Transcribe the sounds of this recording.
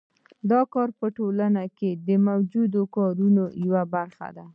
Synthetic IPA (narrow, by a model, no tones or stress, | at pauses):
d̪ɑkɑɾpəʈolanaked̪əmawd͡ʒud̪okɑɾunojawabaɾxa̰d̪a